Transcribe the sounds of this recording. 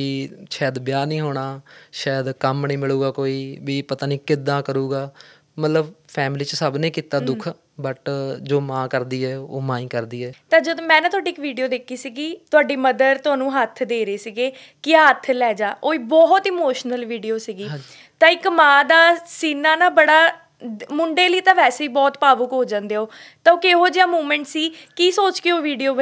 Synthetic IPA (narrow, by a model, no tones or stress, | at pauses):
iːʃaːd̪bjaːnĩːɦoːɽaːʃaːjd̪kəmnĩːmɪlɭuːɡaːkoːiːʋiːpət̪aːnĩːkɪd̪ːãːkəɾuːɡaː | mət̪ləbpʰɛːmliːt͡ʃsəbnẽːkiːt̪aːd̪ʊkʰ | bəʈd͡ʒoːmãːkəɾd̪iːɛːoːmãːĩːkəɾd̪iːɛːt̪ãːd͡ʒəd̪õːmɛ̃ːñːt̪ʊaːɖiːɪkʋiːɖijoːd̪eːkʰːiːsiːɡiːt̪ʊaːɖiːməd̪əɾt̪ʊaːnũːɦət̪ʰd̪eːɾeːsiːɡeː | kɪaːɦət̪ʰːlɛːd͡ʒaːʔoːiːbɔːɦt̪ɪːmoːʃnəlʋiːɖiːoːsiːɡiː | t̪ãːɪkmãːd̪aːsiːnaːnaːbəɽaː | mʊɳɖeːliːt̪ãːʋɛːseːiːbɔːt̪paːbʊkɦoːd͡ʒãːnd̪eːoːt̪ãoːkeɦoːd͡ʒaːmuːmɛ̃ːɳʈsiːkiːsoːt͡ʃkeoːʋiːɖijoːbə